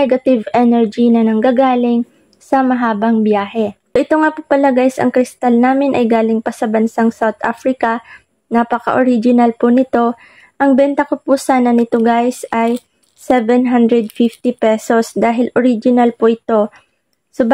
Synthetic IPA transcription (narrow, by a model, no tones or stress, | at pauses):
ɛɡɐt̪ɪvʔɛnɛɹd͡ʒinɐnɐŋɡaːɡaːlɪŋ | sɐmɐɦaːbɐŋbjaːhɛsoʔɪt̪oŋapʊpɐlɐɡajsɐ̰ŋkɾɪst̪alnaːmɪnʔɐjɡaːlɪŋpɐsɐbɐnsaŋsawt̪ʔa̰fɾɪkɐ | napɐkɐ̰ʔoɾid͡ʒɪnɐlpʊnɪt̪o̞ | ʔɐŋbɛnt̪ɐkopʊsaːnɐnɪt̪oɡajsʔɐj | sɛvɛnɦand̪ɹɛd̪fift̪ipɛso̞sd̪aːɦɪlʔoɾid͡ʒɪnɐlpoʔɪt̪o̞ | sob